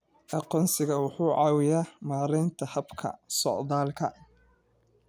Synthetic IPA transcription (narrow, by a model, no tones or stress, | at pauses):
ʔɑqɔːnsɪɣɐwʊħuːʕɑːwɪjaːmaːɾɛjnt̪ʰɐhɐbkʰɐ̰sɔ̰ʕðaːlkʰɐ̰